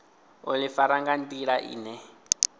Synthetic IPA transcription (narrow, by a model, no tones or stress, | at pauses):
ɔlɪfaɾaŋɡan̩tʼiɺaʔḭːnɛ